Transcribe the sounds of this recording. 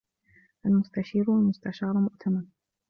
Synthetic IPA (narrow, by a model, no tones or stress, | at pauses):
ʔalmʊst̪aʃiːɾalmʊst̪aʃɑːɾˤmʊʔt̪ʰaman